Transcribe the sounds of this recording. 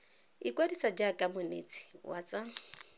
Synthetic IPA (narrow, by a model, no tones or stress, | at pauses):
ikʼwadisad͡ʒakʼamʊnḛt͡sʰʼi̥wʔa̰t͡sʼa